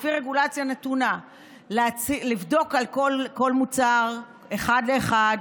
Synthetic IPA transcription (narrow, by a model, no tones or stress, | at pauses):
fiʁeɡulat͡sjanetuna | leat͡silivdo̞kalko̞lko̞lmut͡saʁ | eχadleːχad